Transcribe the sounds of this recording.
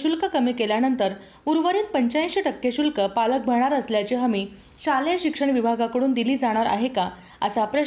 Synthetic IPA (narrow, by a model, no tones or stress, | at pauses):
ɕulkəkəmiːkeljanənt̪əɾ | uɾʋəɾiːt̪̚pəɲt͡ɕaĩɕeʈəkːeɕulkəpalək̚bʱəɳ̃aɾəsljat͡ɕeɦəmiː | ɕaljeɕikʂəɳʋibʱaɡakəɽuːnd̪iliːd͡zaɽ̃aɾa̰ɦeka | əsapɾə